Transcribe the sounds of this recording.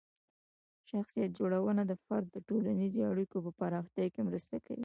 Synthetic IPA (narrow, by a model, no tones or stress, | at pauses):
ʃaxsijat̪̚d͡ʒoɽawənad̪əfaɾd̪ːəʈolanizoaɽikopəpaɾɑxt̪jɑjkemɾəst̪aka̰wḭ